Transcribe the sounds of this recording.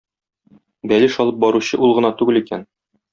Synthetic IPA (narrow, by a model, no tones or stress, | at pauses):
bælɘʃɒlˠɤp̚bɒɾuɕɤʔulˠʁɤ̆nɑt̪ʉɡɘlikæn